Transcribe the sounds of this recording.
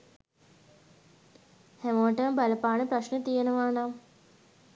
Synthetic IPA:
hæməʋəʈəməbaləpaːnəpraʃnət̪ijenəʋaːnam

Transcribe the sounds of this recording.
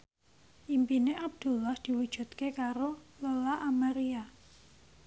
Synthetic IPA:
ʔimpineʔab̚d̪̥ṳlːɔhd̪̥i̤wud̥ʒ̥ṳt̪kekaɾololaʔamaɾia

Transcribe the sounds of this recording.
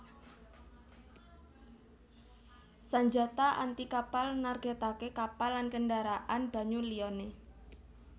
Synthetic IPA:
saɲd͡ʒa̤t̪aʔant̪ikapalnarɡ̥at̪akekapalːankəɳɖaɾaʔanb̥a̤ɲuliɔne

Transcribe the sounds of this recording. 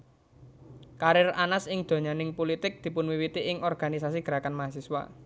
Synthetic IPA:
kaɾɪranasɪŋd̪̥o̤ɲanɪŋpolit̪ɪk̚d̪̥i̤pʊnwiwit̪iʔɪŋʔɔrɡ̥a̤nisasiɡ̥ɾakanmaɦasiswa̰

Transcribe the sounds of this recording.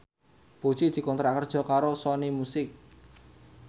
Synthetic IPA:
b̥o̥t͡ʃid̪̥i̤kɔnt̪ɾakərd̥ʒ̥ɔ̤kaɾosɔnimusɪk̚

